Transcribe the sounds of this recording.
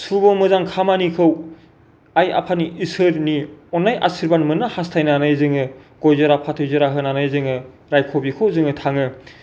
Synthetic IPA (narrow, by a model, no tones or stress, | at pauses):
subɔmɯzaŋkʰamanikʰɯw | aja̰pʰaniʔisɯɾniɔnːajʔa̰siɾbanmɯnɯhastʰajnanajzɯŋɯɡ̥ojzɯɾapʰatʰɯjzɯɾaɦɯnanajzɯŋɯ | ɾajkʰobikʰowzɯŋɯtʰaŋɯ